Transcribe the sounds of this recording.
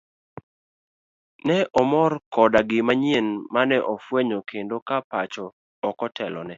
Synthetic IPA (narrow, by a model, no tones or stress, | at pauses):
nɛʔɔmɔrkɔdaɡɪmaɲienmanɛʔɔfweɲokʰendokapat͡ʃɔː | kɔtʰɛlɔ̰nɛ